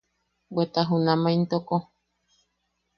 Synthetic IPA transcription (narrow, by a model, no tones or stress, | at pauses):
bwet̪aɦunãmãint̪oko